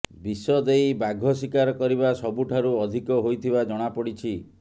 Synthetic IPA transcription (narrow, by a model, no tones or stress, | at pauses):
bisɔd̪ejbaɡʱɔsikaɾɔkɔɾibasɔbuʈʰaɾuɔd̪ʱikɔɦojt̪ʰibad͡ʒɔɽ̃apɔɽit͡ʃʰi